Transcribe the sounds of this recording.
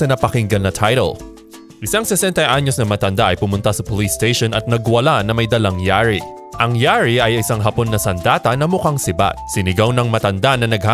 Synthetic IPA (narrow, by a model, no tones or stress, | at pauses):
ɐnɐpɐkɪŋɡɐlnɐt̪ʰajɾɛ̰l | ʔɪsaŋsɛsɛnt̪ɐʔaɲo̞snɐmɐt̪ɐnd̪aʔɐjpʊmʊnt̪asɐpolist̪ejʃonɐt̪̚nɐɡwɐlanɐmɐjd̪ɐlaŋjaːɹi | ʔɐŋjaːɹiʔɐjɪsaŋɦɐpo̞nːɐsɐnd̪aːt̪ɐnɐmʊkaŋsɪba̰t̪̚sɪnɪɡawnɐŋmɐt̪ɐnd̪anɐnɐɡ̚ha